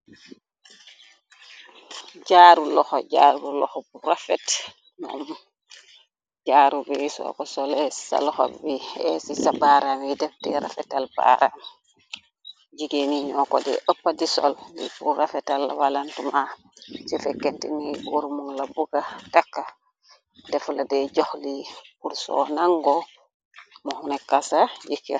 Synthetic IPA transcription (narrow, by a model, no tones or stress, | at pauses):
ɟaːɾulɔxɔɟa̰ɾubulɔ̰xɔbuɾafɛt | nɔ̰m | ɟaɾubisɔ̰kɔsɔlɛsa̰lɔxo̰bbiɛsisabaɾamidɛf̚tɛɾa̰fɛtalba̰ɾam | d͡ʒiɡeniɲɔkɔ̰dɛ̰ʔopːadisɔ̰ldḭfurafɛtalːawalantuma | sifɛkːɛntḭnɛbuɾmuŋlabuɡatakːa | dɛfladɛd͡ʒɔhlipuɾsɔ̰naŋɡɔ | mɔhunɛkːasad͡ʒikːḭ